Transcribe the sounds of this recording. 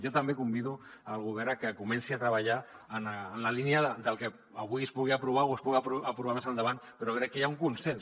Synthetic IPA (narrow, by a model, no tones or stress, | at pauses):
jɔt̪ambekumbiðuəlˠɣ̞uβ̞ɛɾakəkumɛnsiat̪ɾəβaʎaənaːnlaliniaðəd̪əlˠkə | aβuiəspuɣ̞iapɾuβaowəspuɣapapɾuβamesand̪əβanpeɾoβɛɾekːejauŋkunsɛns